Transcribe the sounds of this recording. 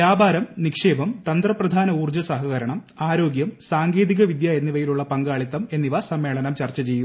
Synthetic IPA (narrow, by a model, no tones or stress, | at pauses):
ʋjaːbʱaːɾɐmnikʂe̞ːbɐmt̪ɐnd̪rɐprɐd̪ʱaːnɐuːrd͡ʑɐsɐɦɐɣɐɾɐɳɐm | aːɾo̞ːɡjɐmsaːŋɡe̞ːðiɣɐʋid̪jaːenːiʋɐjiluɭːɐpɐŋɡaːɭit̪ːɐme̞nːiʋɐsɐmːe̞ːɭɐnɐmt͡ɕɐrt͡ɕːɐt͡ɕe̞ju